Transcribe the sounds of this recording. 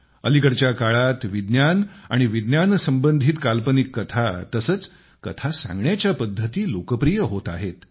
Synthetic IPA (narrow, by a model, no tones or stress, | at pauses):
ə̰likəɽt͡ɕjakaɭat̪ʋid̪njana̰ɽ̃iʋid̪njansəmbənd̪ʱiːt̪kalpənikːət̪ʰat̪əsəːt͡s | kə̰t̪ʰasã̰ŋɡɳjat͡ɕjapəd̪ʱːət̪iːlokəpɾijəɦot̪a̰ɦet̪